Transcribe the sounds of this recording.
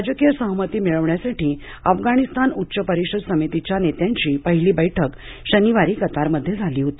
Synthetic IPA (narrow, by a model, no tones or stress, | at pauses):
ad͡ʑəkijəsəɦmət̪iːmiɭəʋɳjasaʈiː | əfɡaɽ̃ist̪anutːɕəpəɾikɕəd̪səmit̪it͡ɕjanet̪jaɲt͡ɕiːpəɦiliːbəjʈʰək | ɕəniʋaɾiːkət̪aɾməd̪ʱːjed͡zʱaliːɦot̪i